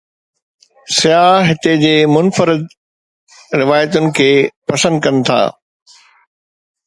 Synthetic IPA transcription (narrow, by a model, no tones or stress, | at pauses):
sɪjaːɦɪt̪ed͡ʑeːmʊnfəɾɪd̪̚ | ɾɪʋaːjət̪ʊnɪ̆kʰeːpɐsə̃nd̪kɐnɪ̆t̪ʰa̰ː